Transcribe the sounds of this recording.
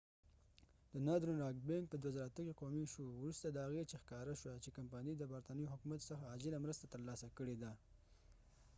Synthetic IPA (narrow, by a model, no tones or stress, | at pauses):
d̪ənɑd̪ɾonɾɑɡbeŋɡ̚pəd̪wazəɾat̪əkiqomiʃowɾust̪ad̪əhaɣet͡ʃexkɑɾaʃwat͡ʃekampɑnid̪əbaɾt̪ɑnəjoɦʊkumat̪səxaːd͡ʒɪlamɾəst̪at̪əɾlɑsakəɽed̪a